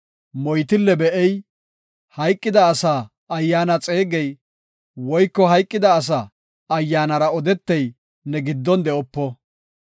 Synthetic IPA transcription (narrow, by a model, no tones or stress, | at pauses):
mɔjt̪ɪlːɛbɛʔɛj | hɐjkʼːɪd̪ɐːsaː | ɐjːaːnɐt͡sʼe̞ːɡɛj | wɔjkːɔɦɐjkʼːɪd̪ɐːs̬aː | ɐjːaːnɐɾɐɔd̪ɛt̪ːɛj | nɛɡɪd̪ːɔnd̪ɛɔpːɔ